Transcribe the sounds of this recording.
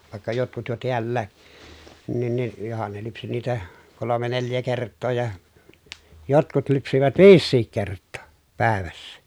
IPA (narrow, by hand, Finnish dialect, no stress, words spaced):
ʋɑˑekːɑ jotkut jo tiælːæː nin ni johɑn ne lypsi niːtæ kolome neljæ kertˑoː jɑ jotkut lypsiʋæt ʋiːsːiːk kertˑoː pæˑeʋæsːæ